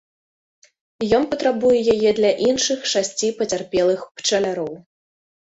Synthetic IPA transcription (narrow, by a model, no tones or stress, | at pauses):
jɔnpɐt̪ɾabujɛjajɛd̪lʲɐʔinʂɨxʂasʲt͡sʲipɐt͡sʲarpʲɛlˠɨxpt͡ʂɐlʲaɾɔw